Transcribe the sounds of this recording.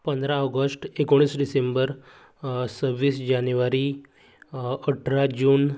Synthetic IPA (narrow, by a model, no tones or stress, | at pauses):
pə̃nd̪ʱɾãəɡəsʈekoɽ̃iːsɖisembəɾ | səbʋiːsd͡ʑanjuʋaɾiː | əʈʰɾad͡ʑuːn